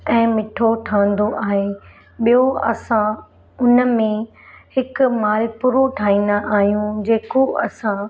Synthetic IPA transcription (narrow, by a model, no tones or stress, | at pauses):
ɛ̃ːmɪʈʰoʈʰãːə̃n̆d̪oʔaːɦeː | ɓijoɐsã | ʊnə̆mẽ | hɪkʊmaːlɪpʊɾoʈʰaːĩːnd̪aʔaːɦijũd͡ʑeːkoʔɐsã